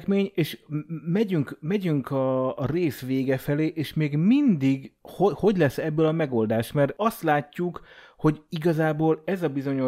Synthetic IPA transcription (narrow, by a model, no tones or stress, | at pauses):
kmeːɲeːʃmɛɟyŋkmɛɟyŋkʰɒːreːsʋeːɡɛfɛleːʔeːʃmeːɡmind̪iɡhoho̞ɟlɛsɛbːølɒmɛɡo̞ld̪aːʃmɛrɒst̪laːcːukho̞ɟiɡɒzaːboːlɛzɒbizo̞ɲo